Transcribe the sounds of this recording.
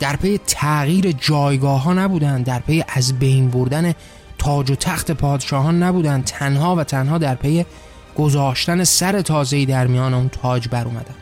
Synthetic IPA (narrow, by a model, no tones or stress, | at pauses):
d̪̥æɾpʰe̞jet̪ʰæɣiːɾe̞d͡ʒɒːjɡɒːɦɒːnæbuːd̪ænd̪d̪æɾpʰe̞jeʔæzbe̞jnboɾd̪æne̞ | t̪ʰɒːd͡ʒot̪ʰæxt̪ʰe̞pʰɒːd̪eʃɒːɦɒːnːæbuːd̪ænd̪̚t̪ʰænhɒːvæt̪ʰænhɒːd̪æɾpʰe̞je̞ | ɡ̥o̞zɒːʃt̪æne̞sæɾe̞t̪ʰɒːze̞iːd̪æɾmijɒːne̞unt̪ʰɒːd͡ʒbæɾoːmæ̰d̪ænd̪̥